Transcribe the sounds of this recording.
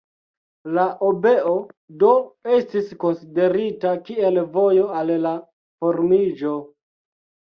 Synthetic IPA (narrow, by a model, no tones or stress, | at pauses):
laʔobe̞odo̞e̞stisko̞nside̞ɾitakie̞lvo̞jo̞alla | fo̞ɾmid͡ʒo̞